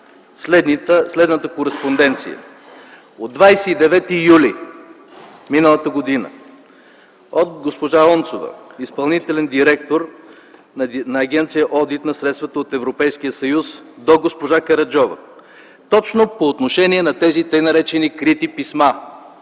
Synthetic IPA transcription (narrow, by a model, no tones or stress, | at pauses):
slɛd̪nit̪əslɛd̪nət̪əkoɾɛspond̪ɛnt̪sḭjə̰ | od̪ːvajsɛid̪ɛvɛt̪ijuli | minəlˠət̪əɡod̪inə̰ | ot̪ɡospoʒaɔnt̪sovə̰ispɐlˠnit̪ɛlɛnd̪iɾɛk̚t̪oɾ | nɐːɡ̟ʲɛnt̪sijəʔɔd̪it̪nɐsɾɛt̪st̪vət̪əot̪ɛvɾopɛjsk̟ijəsɐjusd̪oɡospoʒakɐɾɐd͡ʒɔvə̰ | t̪ɔt͡ʃnopoːt̪noʃɛniɛnɐt̪ɛzit̪əjnɐɾɛt͡ʃɛnikɾit̪ipisma